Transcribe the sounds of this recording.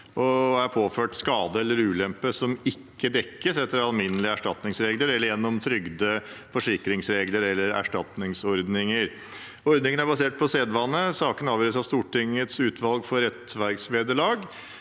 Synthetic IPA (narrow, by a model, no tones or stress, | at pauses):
ʔɔæɾpʰoːføːʈskɑːd̪əɛlːəɾʉːlɛmpəsɔmɪkːəd̪ɛkːəsɛt̪ːəɾɑlmɪnːəlɪəæʂʈɑt̪nɪŋsɾeːɡləɾɛlːəɾjɛnːɔmt̪ʰɾʏɡd̪əfɔʂɪkɾɪŋsɾeːɡləɾɛlːəɾæ̰ʂʈɑt̪nɪŋsɔɾd̪nɪŋəɾ | ɔɾd̪nɪŋənæɾbɑseːʈ̚pʰɔseːd̪ʋɑnːəsɑːkənɑːʋjœːɾəsɑʋst̪uːʈɪŋət̪sʉːt̪ʰʋɑlɡfɔɾɾɛt̪ʋæɾɡsʋeːd̪əɭɑːɡ